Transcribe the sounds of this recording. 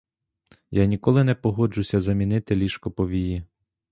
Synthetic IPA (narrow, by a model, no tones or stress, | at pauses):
janʲikɔlˠɪnɛpɔɦɔd͡ʒʊsʲɐzɐmʲinɪt̪ɪlʲiʃkɔpɔʋʲiji